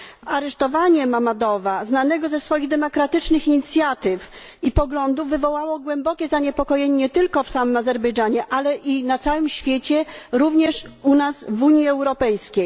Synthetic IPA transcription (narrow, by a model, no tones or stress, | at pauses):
aɾɛʂt̪ɔvaɲɛmamad̪ɔvaznanɛɡɔzɛsfɔjiɣd̪ɛmɔkɾat̪ɘt͡ʂnɘxiɲit̪sʲjat̪ɘf | ipɔɡlɔnd̪uvːɘvɔwawɔɡwɛmbɔkʲɛzaɲɛpɔkɔjɛɲeɲɛt̪ɘlkɔfsamɘmazɛɾbɛjd͡ʐaɲɛʔalɛʔinat̪sawɘmɕfʲjet͡ɕɛɾuvɲɛʂunasvuɲjiɛwɾɔpɛjskʲej